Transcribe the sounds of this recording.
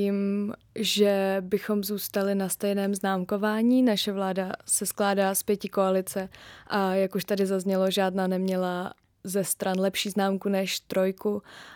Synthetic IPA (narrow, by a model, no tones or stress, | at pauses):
iːm | ʒɛbɪxo̞mzuːst̪alɪnast̪ɛjnɛːmznaːmko̞vaːɲiːnaʃɛvlaːdasɛsklaːdaːspjɛcɪkoalɪt͡sɛʔajakuʃt̪adɪzazɲɛlo̞ʒaːdnaːnɛmɲɛla | zɛst̪ɾanlɛpʃiːznaːmkunɛʃt̪ɾo̞jku